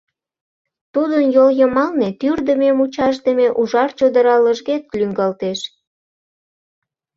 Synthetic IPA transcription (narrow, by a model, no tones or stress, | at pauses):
t̪ud̪ənjoljəmɑlnet̪yrd̪əmemut͡ɕɑʃd̪əmeʔuʒɑrt͡ɕod̪əɾɑləʒɣet̪̚lyŋɡɑlt̪eʃ